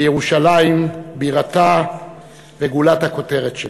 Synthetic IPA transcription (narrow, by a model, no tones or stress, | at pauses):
jeʁuʃalaimbiʁat̪a | veɡulat̪hako̞te̞ʁetʃe